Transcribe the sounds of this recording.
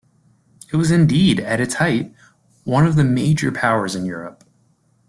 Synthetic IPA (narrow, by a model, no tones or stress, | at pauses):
ɨt̚wʌzɨ̃ndiɾɨɾɨtshaɪt̚ | wʌ̃nʌvðɨmeɪd͡ʒə˞pʰaʊə˞zɨ̃njʊ̰ɹə̰p̚